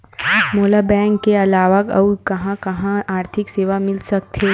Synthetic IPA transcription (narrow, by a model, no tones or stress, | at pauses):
moːlabɛ̃ːŋkːeɐlaːʋəkɐkɐɦãkɐɦãaːɾt̪ʰɪkseːʋamɪlsɐk̚t̪ʰeː